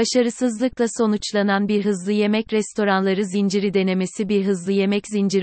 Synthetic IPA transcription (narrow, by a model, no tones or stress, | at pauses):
aʃaɾɯsɯzlˠɯklˠaso̞nut͡ʃlˠananbiɾɦɯzlˠɯje̞mɛcɾɛst̪ʰo̞ɾanlˠaɾɯzind͡ʒiɾid̪e̞ne̞me̞sibiɾɦɯzlˠɯje̞mɛczind͡ʒiɾ